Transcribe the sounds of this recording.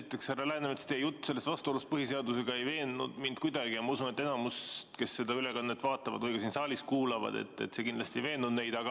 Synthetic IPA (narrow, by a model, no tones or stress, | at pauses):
sit̪ːˑe̞kshærːɑlæhenemet̪st̪ejut̪ːse̞lːest̪vɑst̪uo̞lust̪pɤhise̞ɑd̪use̞ɡ̥ɑe̞jve̞ːnːṵd̪mind̪̥̚kujd̪ɑɡijɑmɑusunet̪ːˑenɑmust̪ke̞sːe̞d̪ɑylekɑnːet̪ːvɑːt̪ːˑɑvɑd̪̥kujɡesiːnsɑːliskuːlɑvɑ̰d̪̥e̞̰t̪ːḛt̪ːse̞kin̥lɑst̪iejve̞ːnːud̪ne̞jd̪̥ɑɡ̥ɑ